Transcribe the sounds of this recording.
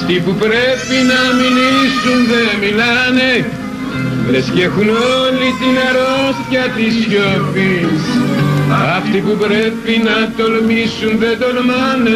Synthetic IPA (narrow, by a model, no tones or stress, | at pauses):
ft̪ipupɾe̞pinɐminisunðe̞milɐne̞ | ɾesce̞xuno̞lit̪inɐɾost̪çɐt̪isçopis | ɐft̪ipupɾe̞pinɐt̪o̞lmisunðe̞t̪o̞lmɐne